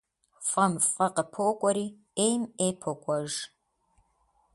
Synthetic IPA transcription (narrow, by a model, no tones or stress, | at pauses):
fɐmfʼɐqəpʰoːkʷʼɔɾiː | ejmeːpʰokʷʼɐʒ